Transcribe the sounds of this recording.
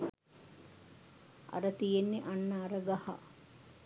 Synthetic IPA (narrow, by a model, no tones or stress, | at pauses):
a̰ɾət̪ijenːeʔanːaːɾəɡaha̰